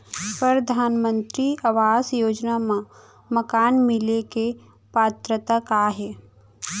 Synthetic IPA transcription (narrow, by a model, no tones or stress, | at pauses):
pɾəɾəd̪ʱaːnmə̃nt̪ɾiɐʋaːsjoːd͡ʒnamã | məkaːnmɪleke | paːt̪ɾət̪akaɦɛː